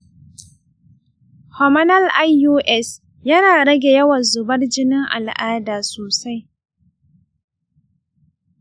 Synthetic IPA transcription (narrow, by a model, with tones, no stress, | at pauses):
hɔ˨mɐ˦nɐ˦lʔa˦jːuː˦ʔɛ˦s | jɐ˦naː˨ɽɐ˦ɡʲe˨jɐ˦wɐ˨nzʊ˨bɐ˦rd͡ʒɪ˦nɪ˦ŋʔa̰˨lʔaː˦daː˨soː˨sa˦j